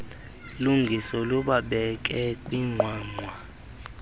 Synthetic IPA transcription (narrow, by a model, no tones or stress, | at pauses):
luŋɡʱisɔluɓaɓɛk̬ʼɛkʼwiŋ͡ǃʱwaːŋ͡ǃwa